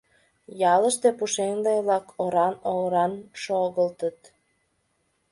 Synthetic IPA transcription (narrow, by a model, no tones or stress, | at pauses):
jɑləʃt̪epuʃeŋleβlɑkʰoɾɑnoɣɾɑnʃoɣəlt̪ət̪